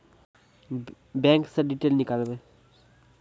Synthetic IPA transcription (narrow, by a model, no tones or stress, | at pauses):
bɛ̃ŋkseɖiʈelnikalbe